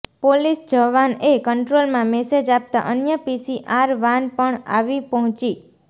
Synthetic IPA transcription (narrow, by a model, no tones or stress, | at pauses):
polisd͡ʒəʋanekəɳʈɾolmãmɛsed͡ʒap̚t̪a̰ʔənjəpisiʔaɾʋãnpəɳa̰ʋipɔɦɔ̃t͡ʃi